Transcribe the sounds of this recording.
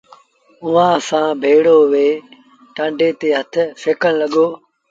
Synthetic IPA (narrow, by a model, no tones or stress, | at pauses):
ʊʋãːsãːbʱeːɽoːʋeː | ʈãːɳɖeːt̪eːɦət̪ʰseːkəɽ̃ləɠoː